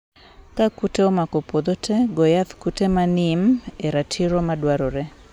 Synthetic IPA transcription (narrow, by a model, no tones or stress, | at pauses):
kakuteɔmakopod̪otʰeɡojaθkutemanimeɾatʰiɾomadwaɾoɾɛ